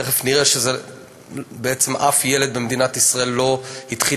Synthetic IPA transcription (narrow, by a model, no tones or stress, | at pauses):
eχefniʁeʃeze | beet͡semʔafjeled̪bemd̪inat̪isʁaelːo̞hit̪χi